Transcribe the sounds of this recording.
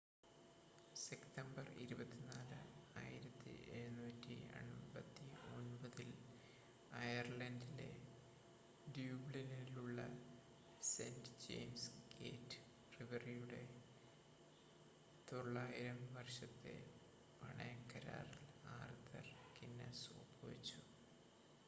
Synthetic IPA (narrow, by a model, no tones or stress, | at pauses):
sekt̪ɐmbɐrḭɾubɐt̪ːinaːlɨaːjiɾɐt̪ːɨ̰ʔeɻnuːtːḭɐ̰ɳbɐt̪ːio̞nbɐðil | ɐjɐrlɐndile̞̰ | ɖjuːbɭiniiluɭːɐ̰ | sendɨd͡ʑe̞̰ːjmsɡḛːtːɨ̥ | riʋɐrijuɽe̞ | t̪oɭːaːjiɾɐmʋɐrɕɐt̪ːḛ | pɐ̰ɳɐjɐkːɐɾa̰ːrilaːrt̪ɐ̰rkinːɐsoːpoːit͡ɕːu